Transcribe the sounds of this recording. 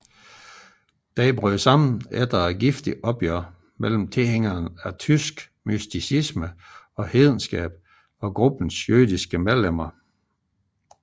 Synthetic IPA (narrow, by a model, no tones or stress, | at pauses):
d̥ɛɪb̥ʁyːsɑ̈m̰n̩ed̥ɐɡ̥ifd̥iʔɒ̽b̥jøɐ̰ | mel̰m̩t͡sʰe̝lheŋ̰ɐːnæt͡sʰysɡ̥ | mysd̥isismə | ɒ̽he̝ːðˠn̩sɡ̥ɛ̰ːb̥̚ | ɒ̽ɡ̥ʁub̥n̩sjøːðˠisɡ̥əmeðˠlem̰ɐ